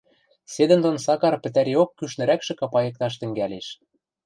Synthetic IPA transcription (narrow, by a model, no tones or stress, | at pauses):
sed̪ɘ̆nd̪onsɑkɑrpɘ̆t̪æɾeokːyʃnɘ̆ɾækʃɘ̆kɑpɑjɤ̆k̚t̪ɑʃ̬t̪ɘ̆ŋɡæleʃ